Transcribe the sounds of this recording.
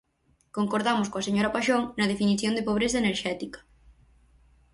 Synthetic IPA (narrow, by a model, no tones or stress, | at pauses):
koŋkoɾðamoskoaseɲoɾapaʃoŋnɐð̞efiniθjond̪epoβ̞ɾeθaɐeneɾʃɛt̪ikɐ̥